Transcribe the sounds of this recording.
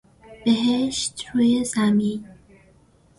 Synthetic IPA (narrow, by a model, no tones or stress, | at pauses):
b̥eɦeʃt̪ɾuːjezæmiːn